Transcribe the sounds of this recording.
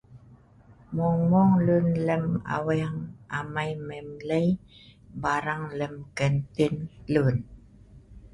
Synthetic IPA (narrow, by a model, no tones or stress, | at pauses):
moŋmoŋlunləma̰wiaŋamajmemləjbaɾaŋləmkəntinlun